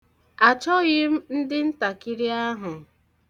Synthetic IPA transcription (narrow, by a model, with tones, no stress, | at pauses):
a˨t͡ʃɔ˦ɣɪ˦m̩˦n̩˦dɪ˦n̩˦ta˨ki˦ɾi˦a˦ɦʊ˨